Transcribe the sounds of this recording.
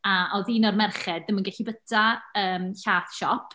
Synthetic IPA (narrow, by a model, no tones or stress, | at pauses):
aʔɔðiːnɔrmɛrχɛd̚ðəmənɡɛɬibətʰaəːmɬaːθʃɔpʰ